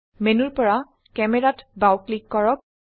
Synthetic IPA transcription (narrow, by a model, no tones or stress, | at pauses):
menuɹpɔɹa | kɛmɛɹatbawklikːɔɹɔk̚